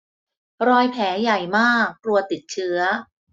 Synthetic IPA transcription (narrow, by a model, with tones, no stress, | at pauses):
ɾɔː˧jpʰɛː˩˦ja˨˩jmaː˥˩k̚ːlu˧˩ət̪ːi˨˩t̪̚t͡ɕʰɯ˦˥ɐ